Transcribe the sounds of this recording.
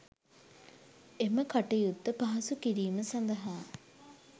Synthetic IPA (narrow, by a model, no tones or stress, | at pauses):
eməkaʈɐjud̪ːəpaɦɐsukiɾiːməsand̪ɐɦaː